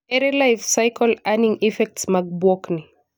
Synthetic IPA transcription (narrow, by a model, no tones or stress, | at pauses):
ɛɾɛlajfsajkʰɔlaniŋifɛk̚tsmaɡbwɔkni